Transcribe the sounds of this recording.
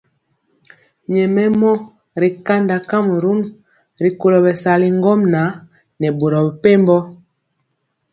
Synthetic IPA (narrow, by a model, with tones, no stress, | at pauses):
ɲɛ˨mɛ˦mɔ˦ | ɾi˨ka˦nda˨ka˦m˨ɾu˦n | ɾi˨ko˨lɔ˨bɛ˨sa˨li˨ŋ˦ɡɔ˦mna˨˦ | nɛ˨bo˨ɾɔ˨bi˨pe˦mbɔ˦